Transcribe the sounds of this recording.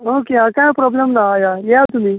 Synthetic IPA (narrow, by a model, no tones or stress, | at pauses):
okeɦãkãjpɾɔblemnaːjajeat̪um̤iː